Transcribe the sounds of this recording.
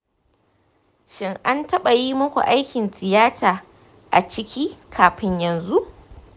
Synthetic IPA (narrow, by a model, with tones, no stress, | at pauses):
ʃɪ˦ŋʔa˦ntɐ˦ɓa˨ji˦mɐ˦kʷo̰˨ʔa˦jkʲɪ˨ntɪ˨jaː˦tʰaː˨ | ʔa̰˨t͡ʃɪ˦kʲiː˦kʰaː˨ɸɪ˦ɲjɐ˨nzu˦ʔ